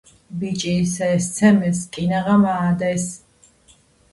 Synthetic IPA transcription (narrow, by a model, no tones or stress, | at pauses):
bit͡ʃʼiːsɛːst̪sʰɛmɛskʼinaʁamaːd̪ɛs